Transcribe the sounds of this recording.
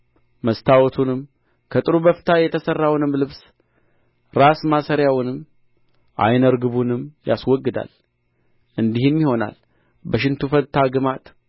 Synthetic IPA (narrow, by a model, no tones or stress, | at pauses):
məst̪ʰawɔt̪ʰunɨm | kʰət̪ʼɨɾubəft̪ʰajɛt̪ʰəsərːawnɨmlɨβs | ɾasmasəɾjawnɨm | ʔa̰jnəɾɡɨβunɨmːja̰swɔɡːɨd̪a̰l | ʔɨnd̪ihɨmjiho̞na̰l | bəʃ̬ɪnt̪ʰufət̪ʰːaɡɨmat̪